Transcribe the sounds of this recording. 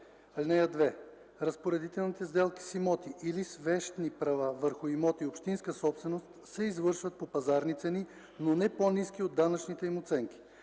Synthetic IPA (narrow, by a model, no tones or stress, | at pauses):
lʲnɛjəd̪vɛ | ɾɐspoɾɛd̪it̪ɛlˠnit̪ɛzd̪ɛlˠki̥simɔt̪iʔilisvɛʃt̪nipɾɐvavəɾxʊimɔt̪iopʃt̪inskəsɔpst̪vɛnost̪sɛizvɤɾʃvət̪̚popɐzaɾnit̪sɛni | nonɛponiskiod̪ːanət͡ʃnit̪ɛimot̪sɛŋk̟ʲi̥